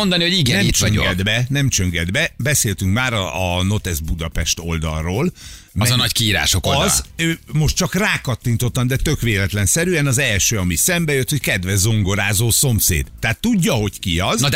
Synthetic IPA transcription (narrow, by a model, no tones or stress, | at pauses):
ond̪ɒnihoɟiɡɛnɛmit̪t͡ʃɒŋo̰ɡɛd̪bɛnɛmt͡ʃø̞ŋɡɛd̪bɛbɛseːlt̪yŋkmaːɾɒːno̞t̪ɛzbud̪ɒpɛʃt̪o̞ld̪ɒ̰lroːl | mɛznɒckiiːɾa̰ːʃokolzøːmo̞ʃt̪t͡ʃɒkraːkɒt̪ːint̪o̞t̪ːɒmd̪ɛt̪ø̞kʋeːlɛt̪lɛnsɛɾyɛnɒzɛlʃøːɒmisɛmbɛjøt̪ho̞ckɛd̪vɛʒzoŋɡo̞ɾaːzoːso̞msḛːd̪̥ːɛːt̪ːuɟːɒɦo̞ckiɒznd̪